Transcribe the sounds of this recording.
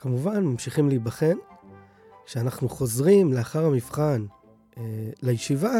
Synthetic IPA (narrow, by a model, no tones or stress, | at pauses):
kamuvanmamʃiχimlibaχen | ʃeanaχnuχo̞zʁimleaχaʁhamifχan | elejeʃiva